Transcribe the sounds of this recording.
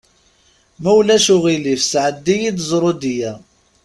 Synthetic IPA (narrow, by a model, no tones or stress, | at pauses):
mæwlæʃʊʁilifsʕəd̪ːijid̪zˤɾˤod̪ijæ